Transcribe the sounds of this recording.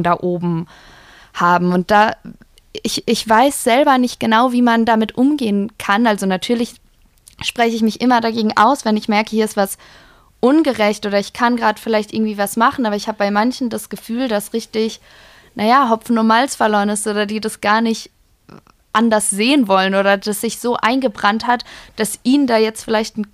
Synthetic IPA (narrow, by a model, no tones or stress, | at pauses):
ndaːʔoːbm̩ | haːbm̩ʊnt̚d̥aː | ɪçɪçv̥aɪsz̥ɛlbɐnɪçt̚ɡ̥ənaʊviːmandamɪtʔʊmɡeːənkʰanʔalzonatʰyːɐlɪç | ʃpʁ̥ɛçəɪç̬mɪçʔɪmɐdaɡeːɡŋ̩ʔa̰ʊsvɛnɪçmɛɐkəhiːɐɪstv̥as | ʔʊnɡəʁɛçtʔoːɾɐɪçkʰanɡʁaːdə̥fɪlaɪçtɪɐɡŋ̩tv̥iːvasmaχn̩ʔaːbɐɪçhaːbəbaɪmançn̩dasɡ̥əfyːldasʁɪçtɪç | najaːɦɔfn̩numalsfɛɐloːʁənɪstʔoːdɐdiːdasɡ̥aːɐnɪçt | ʔandɐsz̥eːənvɔlənʔoːɾɐd̥asz̥ɪçz̥oːʔaɪnɡəbʁanthatd̥asʔiːnndaːjɛt͡stfɪlaɪçtn̩